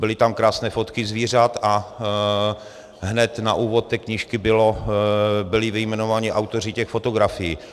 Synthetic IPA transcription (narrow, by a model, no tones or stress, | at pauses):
bɪlɪt̪amkɾaːsnɛːfot̪kɪzviːr̝at̪a | ɦnɛt̪na̰ʔuːvot̪ːɛːkɲiːʃkɪbɪlo | bɪlɪvɪjmɛnovaːɲɪʔawt̪orɪcɛxfot̪oɡɾafɪjiː